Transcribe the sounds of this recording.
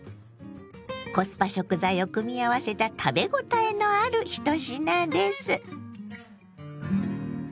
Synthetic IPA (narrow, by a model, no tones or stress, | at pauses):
ko̞sɨ̥paɕo̞kɯ̟zaijo̞kɯ̟mʲiaβase̞t̪at̪ʰabe̞ɡo̞t̪aeno̞aɾɯ̟çi̥t̪o̞ɕinãnd̪e̞sɨ